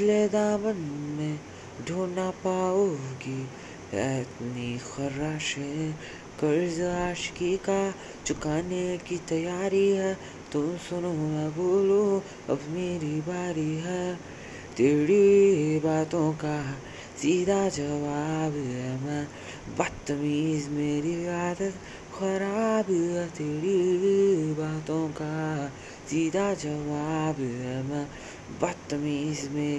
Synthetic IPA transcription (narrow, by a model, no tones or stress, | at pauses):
led̪aːmɐnmẽ | ɖʱoːnaːpaːoɡi | ɛ̰t̪nixɐɾaːʃe | kɐɾzaːʃkika | t͡ʃʊkaːnekit̪ɐjaːɾiɦɛ | t̪ʊmsʊnoaboːlo | ɐ̰bmeːɾibaːɾiɦɛ | t̪eːɽibaːt̪õːka | siːd̪ad͡ʒɐʋaːbɦɛmɛ | bɐt̪ːmiːzmeːɾiaːd̪ət̪ | xɐɾaːbɛt̪eːɽi | baːt̪õka | siːd̪ad͡ʒɐʋaːbɛmɛ | bɐt̪ːmiːzmeː